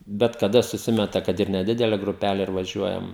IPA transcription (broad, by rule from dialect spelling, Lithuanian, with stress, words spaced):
bʲɛt kɐˈdɐ sʊˈsʲɪmʲɛtɐ kɐt ɪr nʲɛˈdʲɪdʲɛlʲɛ ɡrʊˈpʲælʲɛ ɪr ʋɐˈʒʲuɔjɛm